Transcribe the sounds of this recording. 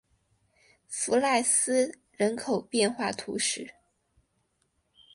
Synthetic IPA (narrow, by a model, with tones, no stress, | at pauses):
fu˧˥la˥˩ɪsɹ̩˥ | ɻə˧˥nkʰo˨˩ʊpjɛ˥˧nxwa˥˩t̪ʰṵ˧˥ʂɻ̩˥˩